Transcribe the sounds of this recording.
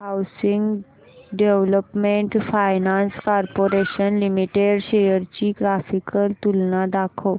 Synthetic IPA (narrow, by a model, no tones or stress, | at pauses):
ɦawsiŋɡ | ɖeʋləpmẽɳʈfajnãnskɔɾpoɾeɕənlimiʈeɖɕejəɾt͡ɕiːɡɾafikəlt̪ulnad̪akʰəw